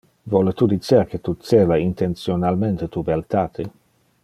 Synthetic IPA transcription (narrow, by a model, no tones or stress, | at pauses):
vɔlet̪ud̪it͡ʃeɾket̪ut̪seːvaint̪ent̪sjonalment̪et̪ubealt̪aːt̪ʰe